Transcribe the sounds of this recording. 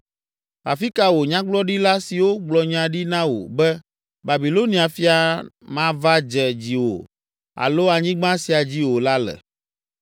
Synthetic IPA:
a˨fi˦ka˨wo˨ɲã˦ɡ͡blɔ˦ɖi˦la˦si˨wo˦ɡ͡blɔ˨ɲã˨ɖi˦nã˦wo̰˨bɛ˦ | ba˨bi˨lo˦nĩ˦a˨fi˦a˨ | mã˦va˦d͡ʒɛ˨d͡ʑi˨wo̰˨ | a̰˨lo˦a˨ɲĩ˦ɡ͡bã˦si˨a˨d͡ʑi˦wo˨la˦lɛ̰˨

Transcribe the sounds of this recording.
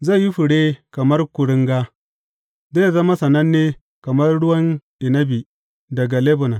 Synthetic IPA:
za˦˨jji˦ɸʊ˨ɽeː˦kɐ˨mɐ˦rkʷʊ˨ɽɪ˦ŋɡa˦ | zeː˦˨zɐ˦ma˦sɐ˨nɐ˦nːeː˦ | kɐ˨mɐ˦rɽʊ˦wɐ˦nɗɪ˨nɐ˦bi˨ | dɐ˨ɡa˨le˦bʊ˨na˨

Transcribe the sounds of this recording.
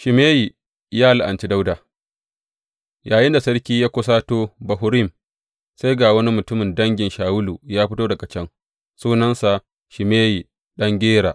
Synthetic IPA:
ʃɪ˨meː˦ji˨ | jaː˦la˨ʔa˨nt͡ʃi˦da˦wda˨ | jaː˨jɪ˦nda˨sɐ˦ɽkʲiː˦jaː˦kʷʊ˦s̬aː˦toː˦bɐ˨ɦʊ˦ɾi˦˨m | sa˦jɡaː˨wɐ˦ni˦mʊ˨tʊ˦mɪ˨ndɐ˦ŋɡʲɪ˨nʃaː˨wʊ˦luː˨jaː˦ɸɪ˦toː˦dɐ˨ɡa˨t͡ʃɛ˦ŋ | suː˦nɐ˦nsa˨ | ʃɪ˨meː˦ji˨ | ɗɐ˦ŋɡʲeː˦ɽa̰ː˨ʔ

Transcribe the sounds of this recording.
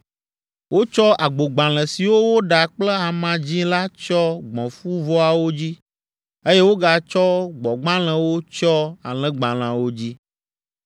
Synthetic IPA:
wʔo˦t͡ʃɔ˦ʔa˨ɡ͡bo˨ɡ͡bã˨l̃ɛ̃˨si˨wo˦wo˦ɖa˨k͡plɛ˦a˨mã˨d͡ʑĩ˦la˦t͡ʃɔ˦ɡ͡bɔ̃˨fu˦vɔ˦a˨wo˦d͡ʑi˦ | e˦je˦wo˦ɡa˨t͡ʃɔ˦ɡ͡bɔ˨ɡ͡bã˦l̃ɛ̃˨wo˦t͡ʃɔ˦a˨lɛ̃˦ɡ͡bã˨l̃ã˨wo˦d͡ʑi˦

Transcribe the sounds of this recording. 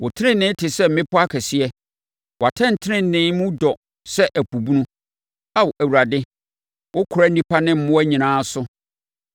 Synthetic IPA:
wʔʊ˨tʰɪ˦nɪ̃˦nɪ̃˦tʰɪ˨sɛ˦m̩˦mɪ̃˦pʰʊ˦a˦kʰɛ˨sɪ˦ɛ˦ | wɔ˨a˨tʰɛ̃˦n˨tʰɪ˦nɪ̃˦n˨nɪ̃˦mũ˦dɔ˨ | sɛ˦ʔæ˨pʰu˨bu˦nũ˦ | a˦wʔæ˨wu˨ɾa˨dɪ˦ | wʊ˦kʰʊ˨ɾa˦n˦nĩ˦pʰa˦nɪ̃˦m̩˦mʊ̃˦æ˦ɲĩ˨nãː˦sʊ˦

